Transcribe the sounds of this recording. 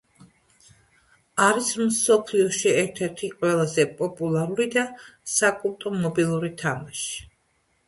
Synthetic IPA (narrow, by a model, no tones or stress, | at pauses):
aɾismsɔpʰliɔʃiɛɾt̪ʰɛɾt̪ʰiqʼwɛlˠazɛpʼɔpʼulˠaɾuɾid̪asakʼulˠt̪ʼɔmɔbilˠuɾit̪ʰamaʃi̥